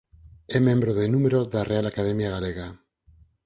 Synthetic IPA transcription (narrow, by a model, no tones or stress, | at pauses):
emjẽ̞mbɾoðenũme̞ɾoðarʔealakaðe̞mjaɣ̞aleɣa